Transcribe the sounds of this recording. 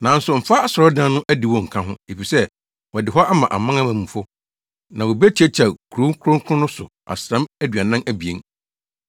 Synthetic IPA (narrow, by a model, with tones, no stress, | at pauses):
nã˨˦n̩˦sʊ˨m̩˨fa˦a˨sɔ˨ɾɔ˦dã˦nʊ̃˦ʔæ˦dɪ˨wɔ̃˨ŋ̩˨kʰã˦ɦʊ̃˦e˨fi˨sɛ˦ | wɔ˨dɪ˨ɦɔ˦ʔa˦mã˨ʔa̰˨mã˦ŋã˦mã˨mũ˨fʊ˦ | nã˨wo˨bæ˦t͡ɕʰi˦æ˦t͡ɕʰa˨kʰɾũ˦ŋ˦kʰʊ˦ɾʊ̃˦ŋ˦kʰʊ̃˦nʊ̃˦sʊ˨ | ʔa̰˨sɾã˦mæ˦dɥa˨nã˦næ˦bi˨e˨˦n